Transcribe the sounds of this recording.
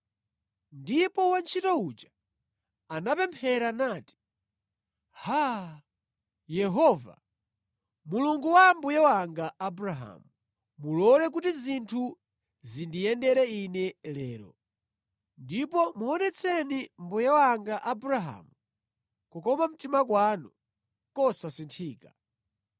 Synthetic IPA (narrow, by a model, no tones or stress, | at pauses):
ndipɔwant͡ʃʰitɔut͡ʃḁ | anapɛmpʰɛɾanaːti̥ | ha | jɛɦɔːva̰ | muluŋɡuwambujɛwaŋɡaʔabuɾaɦa̰mu | mulɔlɛk̬utizintʰu | zindijɛndɛɾɛinɛlɛːɾɔ̰ | ndipɔmuɔnɛt͡sʰɛnimbujɛwaŋɡaʔabuɾaɦa̰ːmu | kɔkɔmam̩timakwaːnu | kɔsasintʰiːka